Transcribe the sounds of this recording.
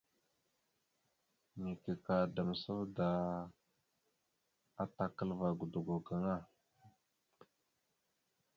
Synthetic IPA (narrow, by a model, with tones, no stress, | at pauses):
mi˨ke˨ka˨da˨mə˨sə˦vda˨ | a˦ta˨kə˦lva˨ɡu˨du˨ɡu˨ɡa˨ŋa˦˨